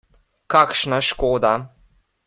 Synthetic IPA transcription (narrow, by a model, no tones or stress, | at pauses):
kakʃnaʃkoːd̪a